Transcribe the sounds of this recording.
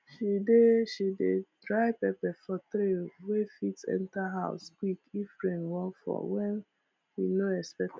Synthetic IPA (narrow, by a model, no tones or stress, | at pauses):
ʃideʃidedɾaɪpɛpɛfɔtɾewefitsɛ̰̃ntaɦaʊskwikifɹẽnwɔkfɔ̰wɛ̃n | ʃinoɛspɛk̚t